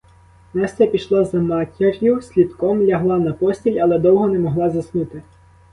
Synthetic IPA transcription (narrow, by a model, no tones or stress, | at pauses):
nɛst̪ɛpʲiʃlˠɔzɐmɑtʲirʲjʊsʲlʲid̪kɔmlʲɐɦlˠɑnɐpɔsʲtʲilʲɐlˠɛd̪ɔwɦɔnɛmɔɦlˠɑzɐsnut̪ɪ